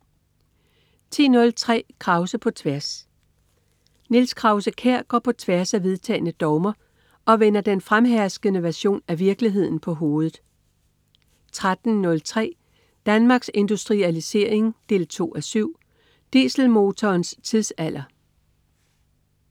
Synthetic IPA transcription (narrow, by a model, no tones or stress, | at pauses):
t͡sʰḭːnɔ̽lt͡sʰʁɛ̰ːkʰʁɑ̈ʊsəpʰɒ̽t͡sʰʋæɐs | nilskʰʁɑ̈ʊsəkʰeɐ̰ɡ̥ɒ̰ːpʰɒ̽t͡sʰʋæɐsæʋe̝ðˠt͡sʰɛ̰ːnəd̥ɒʊmɐ | ɒ̽ʋen̰ɐd̥enfʁamɦæɐsɡ̥ənəʋæɐɕo̝̰ːnæʋiɐɡ̥liɦe̝ð̞̰ˠn̩pʰɒ̽ɦo̝ːð̞̩ˠ | t͡sʰʁad̥n̩nɔ̽lt͡sʰʁɛ̰ː | d̥ænmɑ̈ːɡ̥se̝nd̥usd̥ʁiælise̝ɐe̝ŋd̥e̝̰ːlt͡sʰo̝̰ːæsyʊ̰ | d̥ḭsl̩mo̝t͡sʰɒːnst͡sʰiðˠsæl̰ʔɐ